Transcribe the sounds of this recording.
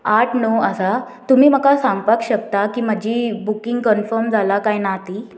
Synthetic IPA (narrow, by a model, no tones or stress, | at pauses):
aʈʰnoəsa | t̪um̤iːm̤əkasaŋɡpakɕək̚t̪akiːməd͡ʑiːbukiŋɡkənfəɾmd͡zʱalakajnat̪iː